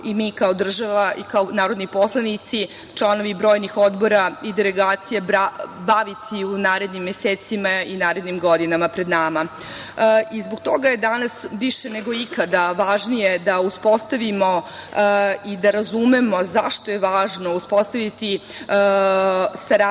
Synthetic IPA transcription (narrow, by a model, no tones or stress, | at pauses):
imiːkao̞d̪r̩ʒaʋaʔikaonaːɾo̞d̪nipo̞slˠanit̪si | t͡ʃlˠano̞ʋibɾo̞ːjnixo̞d̪bo̞ɾaid̪eleɡaːt̪sijebabaʋit̪ʰiunaːɾe̞d̪nimːjeseːt̪simainaːɾe̞d̪nimɡo̞d̪inamapɾe̞d̪naːma | izboɡt̪o̞ɡaje̞d̪anasʋiʃene̞ɡo̞ikad̪aʋaʒnije̞d̪auspo̞st̪aʋimo̞ | id̪aɾazume̞mo̞zaʃt̪o̞je̞ʋaːʒno̞uspo̞st̪aʋit̪i | saɾa